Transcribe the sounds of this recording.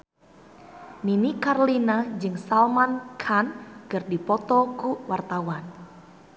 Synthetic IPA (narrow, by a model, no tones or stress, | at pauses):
ninikarlinad͡ʒɨŋsalmankʰankɨrdipɔt̪ɔkuʔwart̪awan